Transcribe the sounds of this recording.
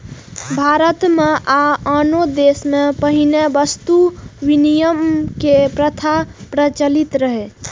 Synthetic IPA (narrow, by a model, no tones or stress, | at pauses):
bʱaɾət̪meʔaanod̪esmepəɦinebəst̪uʋinijəmkepɾət̪ʰapɾət͡ʃəlit̪ɾəɦɛ